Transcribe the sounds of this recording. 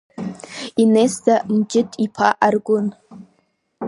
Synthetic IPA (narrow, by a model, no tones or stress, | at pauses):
inestʰamd͡ʒɪtʰʼipʰaʔarɡʷʊn